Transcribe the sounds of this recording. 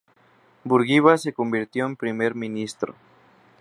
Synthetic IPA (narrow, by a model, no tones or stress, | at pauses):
buɾɣiβase̞kombiɾt̪jo̞empɾimeɾmĩnist̪ɾo̰